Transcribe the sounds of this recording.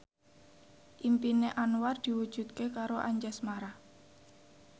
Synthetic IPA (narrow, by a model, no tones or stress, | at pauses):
ʔimpineʔanward̪̥i̤wud̥ʒ̥ṳt̪̚kekaɾoʔaɲd͡ʒɛsmaɾah